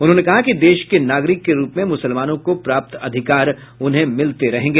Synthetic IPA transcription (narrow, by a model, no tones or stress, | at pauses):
ʊnɦõːnekɐɦakid̪eːʃkenaːɡɾɪkːeɾuːpmẽmʊsəlmaːnõkopɾaːp̚t̪ɐd̪ʱɪkaːɾ | ʊnɦẽmɪlt̪eɾɐɦẽːŋɡeː